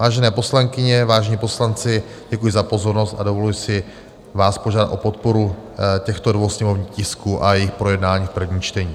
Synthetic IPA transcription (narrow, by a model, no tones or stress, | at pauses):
vaːʒɛnɛːpo̞slaŋkɪɲɛvaːʒɛɲipo̞slant͡sɪ | ɟɛkujɪzapo̞zo̞ɾno̞st̪adovolujɪsɪ | vaːspo̞ʒaːdat̪ʔo̞po̞t̪̚po̞ɾucɛxt̪odvowsɲɛmo̞vɲixcɪskuːʔajɛjɪxpɾo̞jɛdnaːɲiːfpr̩vɲiːt͡ʃt̪ɛɲiː